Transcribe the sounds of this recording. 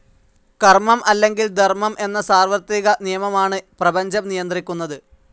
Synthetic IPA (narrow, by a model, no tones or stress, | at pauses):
kɐrmɐmʔɐlːe̞ŋɡild̪ʱɐrmɐmʔe̞nːɐsaːrʋɐrt̪ːiɣɐnijɐmɐmaːɳɨprɐbɐɲd͡ʑɐmnijɐnd̪rikʲːunːɐðɨ